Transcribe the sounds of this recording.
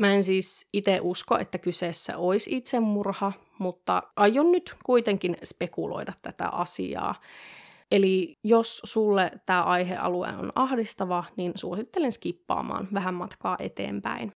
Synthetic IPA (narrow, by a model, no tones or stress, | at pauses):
mæensiːsit̪eʔuskoʔḛt̪ːækyseːsːæ̰ʔoisit̪semmurhɑ | mut̪ːɑ̰ʔɑjːonnyt̪kuit̪eŋkinspekulo̰idɑt̪tæt̪æ̰ʔɑsḭɑ̰ː | elijossulːet̪æːʔɑiɦḛʔɑ̰luḛːno̰nɑhdist̪ɑʋɑninsuosit̪ːelenskipːɑ̰ːmɑ̰ːnʋæɦæmmɑt̪kɑːʔḛt̪ḛːmpæ̰in